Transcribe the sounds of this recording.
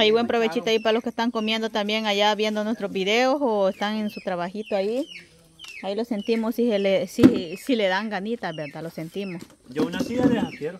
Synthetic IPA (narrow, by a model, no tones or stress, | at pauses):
ajbwe̞mpɾoβet͡ʃit̪oaip̬aɾaloskest̪aŋkomje̞nd̪ot̪ambjeŋajaβje̞nd̪onwest̪ɾozbiðeosoest̪aŋensut̪ɾaβaxit̪oai | ailose̞nt̪imossielesisileðaŋɡanit̪abeɾd̪alosent̪imosd͡ʒounasiaðeafjeɾo